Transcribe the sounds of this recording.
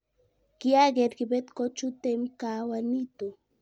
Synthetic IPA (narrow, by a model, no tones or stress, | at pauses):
ɡ̥iaɡeɾɡibet̪kot͡ʃut̪emkawanit̪u